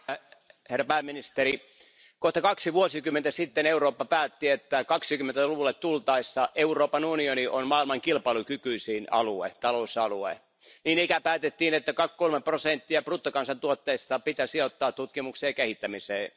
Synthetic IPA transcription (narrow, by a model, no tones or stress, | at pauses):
herːæpæːmːinist̪eɾi | koht̪ɑkɑksiʋuosikymːˑent̪æsit̪ːeneuroːpːɑpæːt̪ːiet̪ːækɑksikymːent̪æluʋulːet̪t̪ult̪ɑisːɑʔeuroːpɑnunioniʔonmɑːilmɑŋkilpɑilukykyisiːnɑ̰luḛt̪ɑlousɑluḛ | niːnikæpæːt̪et̪ːiːnet̪ːækɑkkolmeprosent̪ːiæprut̪ːokɑnsɑnt̪uot̪ːeist̪ɑpit̪æsiot̪ːɑːt̪t̪ut̪kimukseːkehit̪ːæmiseː